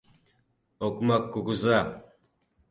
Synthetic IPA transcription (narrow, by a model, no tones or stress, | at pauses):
okmakːukuza